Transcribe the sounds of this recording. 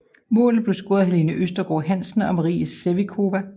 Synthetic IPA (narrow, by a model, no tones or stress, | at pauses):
mɔ̰ːlð̩ˠb̥le̝sɡ̥o̝ːɐðˠɦele̝nəʔøsd̥ɐɡ̥ɒ̰ɦæn̰sn̩ɒ̽mæʁḭːæsːeʋikʰo̝ʋæ